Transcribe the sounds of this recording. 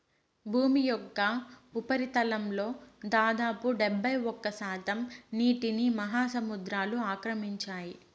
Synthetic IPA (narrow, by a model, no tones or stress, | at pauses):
bʱuːmijɔkːɐupɐɾit̪ɐlɐmlo̞ːd̪aːd̪aːpuɖebːɐjɔkːɐsaːt̪ɐmniːʈinimɐɦaːsɐmud̪ɾaːluaːkɾɐmiɲt͡ʃaːji